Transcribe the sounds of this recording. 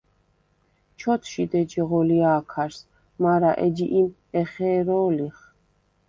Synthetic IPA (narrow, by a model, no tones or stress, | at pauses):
t͡ʃʰɔt̪ʰʃid̪ɛd͡ʒɛʁɔliaːkʰaɾs | maɾaʔɛd͡ʒiʔim | ɛχɛːɾɔːliχ